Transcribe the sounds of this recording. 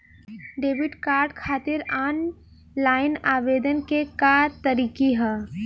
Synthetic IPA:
ɖeːʋɪɖkaːɾɖkʰaːt̪ɪɾaːn | laːɪnaːʋeːd̪ənkekaːɾt̪ɐɾiːkiɦɛː

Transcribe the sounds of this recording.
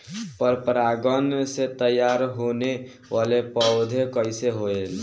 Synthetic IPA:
pəɾpɾaɡənset̪əjaɾɦone | ʋalepəʊd̪ʱekəɪseɦoel

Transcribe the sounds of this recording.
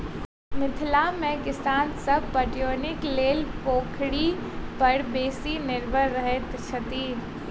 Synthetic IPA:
mɪt̪ʰlamẽkɪsaːnsɐb̚ʱpɐʈjoːnɪkleːlpoːkʰɽipɐɽbeːsinɪɾʋəɾəɦet̪t͡ʃʰɐt̪iː

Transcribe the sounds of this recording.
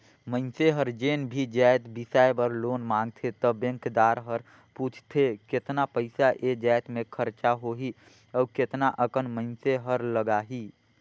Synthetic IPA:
məɪnseɦəɾd͡ʒeːnbʱid͡ʒɛːjt̪bisaːjbəɾloːnmãːŋɡ̚t̪ʰet̪əbɛ̃ŋkd̪aːɾɦəɾ | puːt͡ʃʰt̪ʰekɪt̪napəɪsaʔed͡ʒaːjt̪mẽkʰəɾt͡ʃaɦoɦi | ɔːkɪt̪naʔəkənməɪnseɦəɾləɡaːɦiː

